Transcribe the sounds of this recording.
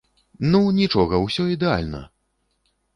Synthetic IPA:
nunʲit͡ʂɔɣɐwsʲɔid̪ɛa̰lʲnɐ̰

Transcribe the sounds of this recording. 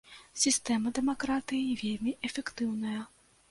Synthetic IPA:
sʲist̪ɛmɐd̪ɛmakɾat̪ɨjivʲelʲmʲiʔɛfʲɛkt̪ɨwnɐjɐ

